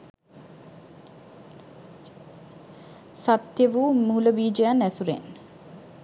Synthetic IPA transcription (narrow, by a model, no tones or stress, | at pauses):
sat̪jəʋumuːləbiːd͡ʒejanæsuɾḛn